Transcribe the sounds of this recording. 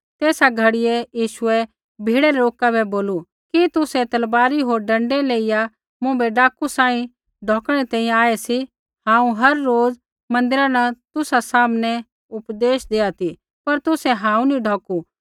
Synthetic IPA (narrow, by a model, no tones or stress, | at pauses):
t̪eːsaɡʱɐɽɪɛjiːʃʊɛ | bʱiːɽɛɾɛɾoːkabɛboːlu | kit̪ʊsɛt̪ɐlbaːɾiɦoːɾɖɐ̃ɳɖɛleːɪja | mʊ̃bɛɖaːkusaːĩ | ɖʱɔːkɽ̃ɛt̪ɛ̃ːĩjãaːɛsi | hãːũɦɐɾːoːd͡z | mɐ̃nd̪ɪɾãnɐt̪ʊsasaːmnɛ | ʊpd̪eːʃd̪eːat̪i | pɐɾt̪ʊsɛɦãːũniɖʱɔːku